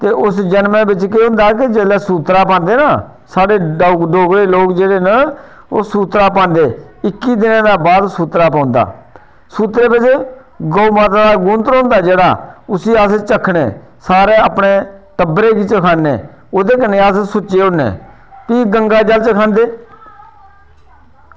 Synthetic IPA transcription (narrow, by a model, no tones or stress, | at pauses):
t̪eːʔʊsd͡ʒənmẽːbɪt͡ʃkeːɦʊ̃nd̪aːk̬ɪd͡ʒeːlɛːsuːt̪ɾaːpãːnd̪eːnaː | saːɽeːɖoːɡɾeːloːkd͡ʒeːɽeːnə | oːsuːt̪ɾaːpãːnd̪eː | ɪkːiːd̪ɪnãːd̪aːbaːd̪suːt̪ɾaːpãːʊnd̪a̰ː | suːt̪ɾeːbɪt͡ʃ | ɡoːuːmaːt̪aːd̪aːɡũːnt̪əɾõːnd̪aːd͡ʒeːɽaːʊsiːəst͡ʃəkʰːɽḛː | saːɾeːəpɳeːʈəbɾeːkit͡ʃəkʰaːnḛː | oːd̪eːkənːẽːaːssʊt͡ʃːeːʊnːḛː | piːɡəŋɡaːd͡ʒəlt͡ʃəkʰãːnd̪eː